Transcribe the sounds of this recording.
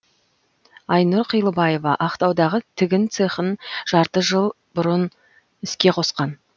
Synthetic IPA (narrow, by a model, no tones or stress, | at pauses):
ɑjnʊɾqʰəjlˠəbɑje̞vɑʔɑqt̪ɑwd̪ɑʁət̪ʰɪɡʲɪnt̪seχənʒ̥ɑɾt̪əʒəlˠ | bʊɾən | ɪskʲe̞qʰo̞sqɑn